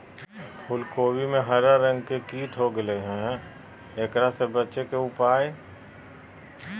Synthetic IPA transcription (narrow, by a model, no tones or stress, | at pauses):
pʰʊlkoːwimẽɦəɾaɾə̃ŋɡkekiːt̪ɦoɡəleɦɛ̃ː | eːkɾasebətːʃekeʊpaːe